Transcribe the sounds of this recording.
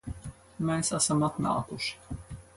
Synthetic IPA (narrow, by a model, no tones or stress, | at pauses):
mɛːsasamat̪na̰ːkuʃ